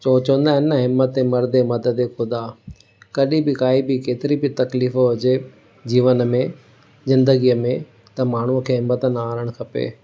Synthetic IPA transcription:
t͡ɕoːt͡ɕɐʋə̃nd̪aːɦɪnəɦɪmːət̪emɐɾd̪emɐd̪əd̪ekʰʊd̪aː | kɐɗibɪkaːibɪkeːt̪ɪɾibɪt̪ɐkliːfoɐd͡ʑe | d͡ʑiːʋən̆mẽ | zɪ̃nd̪əɡijəmẽ | t̪ɐmaːɳ̤uəkʰeːɦɪmːət̪ənaːɾəɽ̃kʰɐpḛː

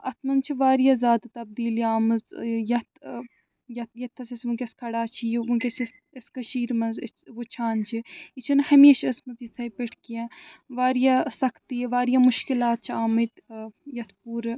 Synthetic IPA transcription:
ɐt̪ʰmɐnt͡ʃʰiʋaːɾijaːzaːd̪t̪ɐb̚d̪iːljaːmɨzjɐt̪ʰ | jɐt̪jɐt̪ʰːɐsɐsmukʲɐskʰɐɽaːt͡ʃʰimukʲesɐs | ɐskɐʃiːɾmɐnzʋot͡ʃʰaːnt͡ʃʰiit͡ʃʰinhɐmeːʃɐsmɐziːd̪sʰɐːipeʈʰkijãːʋaːɾijaːsɐkʰt̪iʋaːɾijaːmʊʃkilaːt̪̚t͡ʃʰiaːmɨt̪jɐt̪ʰpuːɾ

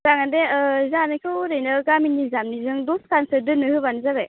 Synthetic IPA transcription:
zaŋandeɯzanɯkʰɯɾɯjnɯɡaminizamnizɯŋdɔskansɯɾdɯnɯhɯbanzaβej

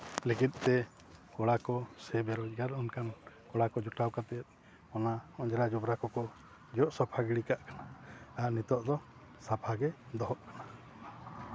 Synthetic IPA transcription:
likit̪̚ˀt̪ɛ | kɔɽakɔsɛbɛɾɔt͡ʃˀɡaɾɔnkankɔɽakɔd͡ʒɔʈawkat̪ɛt̪̚ˀ | ɔnaɔd͡ʒɾad͡ʒɔbɾakɔkɔ | d͡ʒɔʔsɔpʰaɡiɽikaʔkanaaʔnit̪ɔʔd̪ɔ | sapʰaɡɛd̪ɔɦɔʔkḁna

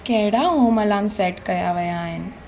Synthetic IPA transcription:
kɐ̃ɦɪɽaɦõːmɐlaːmsɛːʈkɐjaʋɐjaːɦɪnɪ̆

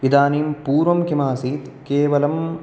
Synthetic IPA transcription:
id̪aːniːmpuːɾʋɐmkimaːsiːt̪keːʋɐlɐm

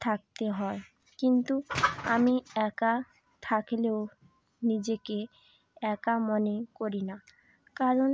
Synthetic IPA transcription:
t̪ʰak̚t̪eɦɔe | kint̪uamiɛka | t̪ʰakleo | nid͡ʑeke | ɛkamonekoɾina | kaɾon

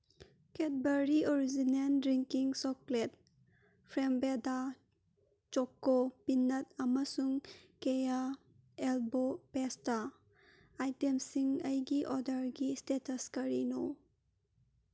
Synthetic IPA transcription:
ket̚bɐɾioɾizinendɾiŋkiŋsɔklet̚ | pʰɾembeda | t͡ʃɔkːopinːɐtɐmɐsuŋkeja | elbopestaː | jtemsiŋɐjɡiʔɔdɐɾɡistetɐskɐɾino

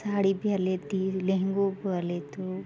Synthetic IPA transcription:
saːɽibʱalet̪ilẽɦŋɡoblet̪o

